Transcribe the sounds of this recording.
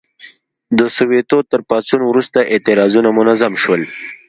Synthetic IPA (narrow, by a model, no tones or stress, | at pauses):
d̪əsʊwet̪ot̪əɾpɑt͡sunwɾust̪aʔɪt̪ɪɾɑzunamʊnazamʃwəl